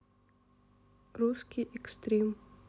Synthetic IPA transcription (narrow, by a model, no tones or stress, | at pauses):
ɾuskʰiʔɛkst̪ɾem